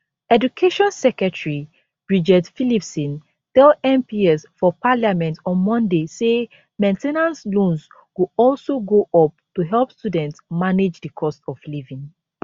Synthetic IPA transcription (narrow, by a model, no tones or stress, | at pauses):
ɛdukʰeʃɔ̃nsɛkɹɛtɹi | b̥ɹid͡ʒɛtfilipsɔ̃n | tɛlɛ̃mpiɛsfɔpaljamɛ̃ntɔ̃nmɔ̃ndese | mẽntɛnãnslõns | wuɔlsoɡoʔɔp̚tuɦɛlˠpstudɛ̃ntsmaned͡ʒdəkʰɔstɔflivĩŋ